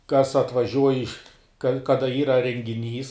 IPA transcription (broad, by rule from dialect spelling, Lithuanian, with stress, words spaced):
kɐs ɐtʋɐˈʒʲuɔj ɪʃ kɐ ˈkɑːdɐ ˈiːrɐ rʲɛŋʲɡʲɪˈnʲiːs